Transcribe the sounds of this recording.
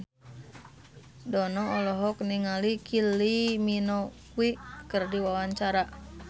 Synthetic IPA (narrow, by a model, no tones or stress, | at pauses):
dɔnɔːlɔɦɔkniŋalikʰiliminɔ | wikərdiwawaɲt͡ʃaɾa